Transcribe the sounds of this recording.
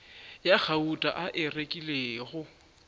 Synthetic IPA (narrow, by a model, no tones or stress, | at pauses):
jak͡xʰautʼa̰ʔaʔɪrekʼileːɣʊ